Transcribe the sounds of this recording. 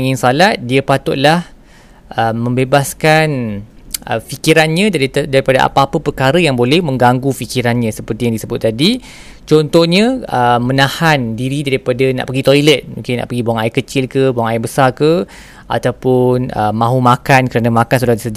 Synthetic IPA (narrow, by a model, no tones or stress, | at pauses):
ŋɪ̃nsalat̪̚diəpat̪ʊʔ̪̚lah | ʔəmːə̃mbebaskan | ə̰fikiɾanɲə̃daidaɾipadaʔa̰paapəpərkaɾəjaŋbolɛhmə̃ŋɡaŋɡufikiɾanɲãsəpərt̪ijaŋdisəbʊt̪̚ːadi | t͡ʃɔnt̪ɔhɲə̃əmːə̃nahandiɾidaɾipadana̰ʔpəɡit̪ojlət̪̚mṵ̃ŋkɪna̰ʔpəɡibuaŋajʔkət͡ʃɪlkəbuaŋajʔbəsarkə | a̰t̪awpʊnəmːãɦumakankəɾanamakans̬udahd̪isəd͡ʒ